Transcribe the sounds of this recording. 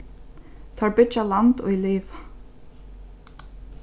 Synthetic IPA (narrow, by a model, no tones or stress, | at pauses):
t̪ʰaɹbʏt͡ʃalant̪ɔ̰iliːva